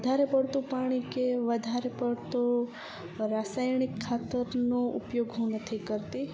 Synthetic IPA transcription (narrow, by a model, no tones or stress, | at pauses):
ʋəd̪ʱaɾepəɽt̪opaɽ̃ikeʋəd̪ʱaɾepəɽt̪o | ɾasajñikʰːat̪əɾnoṵpjoɡɦunət̪ʰikəɾt̪i